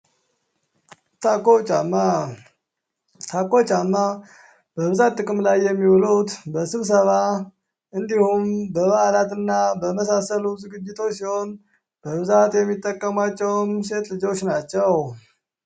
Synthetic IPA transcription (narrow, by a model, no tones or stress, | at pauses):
t̪ʰakːot͡ʃʼamːa | t̪ʰakːo̞t͡ʃʼamːa | b̥əβɨzat̪ʼːɨkʼɨmlajːɛmːiwlut̪bəsɨβs̬əβa | ɨnd̪ihumbəβaʔalat̪ɨnːabəməsasəluzɨɡɨd͡ʒːɪt̪ʰo̞t͡ʃːsiho̞n | b̥əβɨzat̪jɛmːit̪ʼːəkʼːəmat͡ʃːɛwmse̞t̪lɨd͡ʒo̞t͡ʃːnat͡ʃːɛw